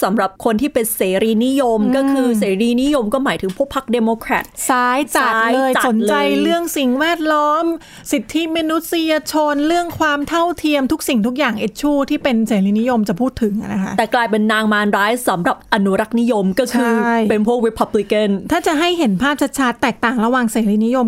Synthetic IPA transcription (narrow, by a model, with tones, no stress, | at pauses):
sa˩˦mɾa˨˩p̚kʰo˧nt̪ʰiː˥˩pe˧nseː˩˦ɾiː˧ni˦˥jo˧mkɔ˥˩kʰɯː˧seː˩˦ɾiː˧ni˦˥jo˧mkɔː˥˩maː˩˦jt̪ʰɯ˩˦pʰu˥˩əkpʰːa˦˥k̚deː˧moː˧kʰɾɛ̰˨˩t̪̚saː˦˥jt͡ɕa˨˩taː˦˥jlɤː˧jt͡ɕa˨so˨˩˦nlt͡ɕt͡ɕa˧jɾɯ˥˩əŋsi˨˩ŋwɛː˥˩t̪̚lɔː˦˥m | si˨˩t̪ʰːi˦˥miː˧nu˦˥t̪̚si˧ja˧t͡ɕʰo˧nɾɯ˥˩əŋkʰwaː˧mt̪ʰa˥˩wt̪ʰi˧əmt̪ʰu˦˥k̚si˨˩ŋt̪ʰu˦˥k̚jaː˨˩ŋʔe˨˩t̪̚t͡ɕʰuː˥˩t̪ʰiː˥˩pe˧nseː˩˦ɾiː˧ni˦˥jo˧mt͡ɕa˨˩pʰuː˥˩t̪ʰːɯ˩˦ŋa˧˩na˦kʰa̰˦˥˦ʔ̪ɛː˨˩klaː˧jpe˧nːaː˧ŋmaː˧nɾaː˦˥jsa˩˦mɾa˨˩p̚ʔa˧nːu˦ɾa˦˥k̚ni˦˥jo˧mkɔː˥˩kʰɯː˧jpe˧npʰu˥˩k̚ɾi˧˥pʰa˧˥bli˧˥ka˥˩nt̪ʰaː˥˩t͡ɕa˨˩ɦa˥˩jɦe˩˦npʰaː˥˩p̚t͡ɕʰa˧˥t̪̚t͡ɕʰaː˦˥t̪ːɛː˨˩k̚t̪aː˨˩ŋɾa˧waː˧ŋseː˩˦ɾiː˧ni˦˥jo˧m